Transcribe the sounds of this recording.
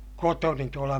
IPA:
kotoni tuolɑ

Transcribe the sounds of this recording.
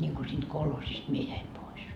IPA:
nʲiŋɡ̊u siːnd̥ kolhosist mie jæim pois

